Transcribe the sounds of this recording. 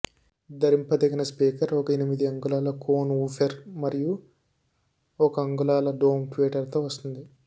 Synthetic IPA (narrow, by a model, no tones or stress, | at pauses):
d̪ɐɾimpɐd̪ɐɡinɐspiːkɐɾɔkɐenimid̪iɐŋɡulaːlɐkoːnuːpʰeɾmɐɾiju | ɔkɐɐŋɡulaːlɐɖoːmʈʋiːʈɐɾt̪oːʋɐst̪und̪i